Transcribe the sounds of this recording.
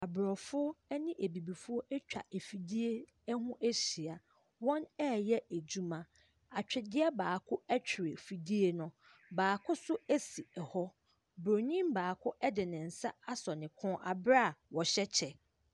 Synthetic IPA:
a˨bɾɔ˨fʊ˦ɔ˦ɛ˦nɪ̃˦ʔe˨bi˨bi˨fʊ˦ɔ˦ʔɛ˦t͡ɕᶣa̰˨ʔe˨fi˨di˦e˦ | ɛ˦hʊ̃˦ʔɛ˦ɕi˨a˨ | wɔ̃˦nɛ˦˨jɛ˦e˨d͡ʑu˦mã˨ | a˨t͡ɕᶣɪ˨dɪ˦ɛ˦baː˨kʰʊ˦ɛ˦t͡ɕᶣʰɪ˨ɾɪ˨fi˨di˦e˦nʊ̃˦ | baː˨kʰʊ˦sʊ˦æ˦si˨ɛ˨hɔ˦ | bɾo˨ɲĩ˦mbaː˨kʰʊ˦ʔɛ˦dɪ˨nɪ̃˨n̩˨sa˦a˦sɔ˨nɪ̃˨kʰʊ̃˦ʔa˨bɾa˦˨wɔ˨ɕɛ˦t͡ɕʰɛ˨

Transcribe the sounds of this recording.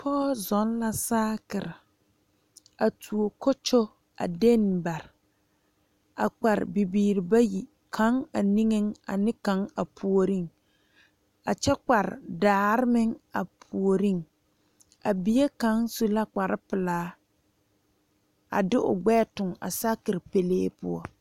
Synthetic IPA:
pʰɔː˦zɔ˨˦n˦la˦saː˦kɪ˨ɾɪ˨ | a˨tʰu˨o˨ko˦t͡ʃo˦ | a̰˨de˦n˨ba˨ɾɪ˨ | a̰˨k͡pa˨ɾɪ̰˨bi˨biː˨ɾi˨ba˦ji˨ | kʰã˨˦ŋa˨ni˦ŋe˦ŋa̰˨nɪ˦kã˨˦ŋa˨pʰu˨o˨ɾi˦˨ŋ | a˨t͡ʃɛ˦k͡pa˨ɾɪ̰˨daː˨˦˨ɾɪ˦mɪ˦ŋa˨pʰu˨o˨ɾi˦ŋ | a˨bi˨˦e˦ka˨˦ŋsu˦la˦k͡pa˨ɾɪ˦pɪ˨laː˦ | a̰˨dɪ˦ʔʊ̰˨ɡ͡bɛː˦˨tʊ˨ŋa̰˨sa˦kɪ˨ɾpe˨leː˦pʊ̰˦ɔ˦

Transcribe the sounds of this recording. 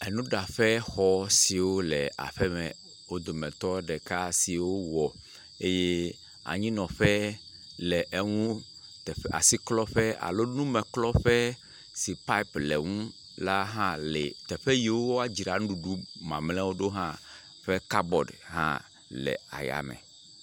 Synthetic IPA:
ɛ˨nũ˦ɖa˨ɸɛ˦xɔ˦si˨wo˦lɛ˨a̰˨ɸɛ˦mɛ̰̃˨ | wo˦d̪o˨mɛ̃˨t̪ɔ˦ɖɛ˨ka˦si˨wo˦wɔ˨ | e˦je˦ | a̰˨ɲĩ˦nɔ̃˨ɸɛ˦ | lɛ˨ʔe˦ŋũ˦ | t̪ɛ˨a̰˨si˦klɔ˦ɸɛ˦a̰˨lo˦nũ˦mɛ̃˨klɔ˦ɸɛ˦ | si˨pa˦i˦plɛ˨ŋũ˦ | la˦ɦã˦lɛ̰˨t̪ɛ˨ɸe˦ji˨wo˦wo˦a˨d͡ʑi˨ɾa˨n˦ɖu˨ɖu˦mã̰˨mlɛ̃˦wo˦ɖo˦ɦã˦ | ɸɛ˦ka˦bɔ˨ɖɦã̰˦ | lɛ̰˨a̰˨ja̰˨mɛ̰̃˨

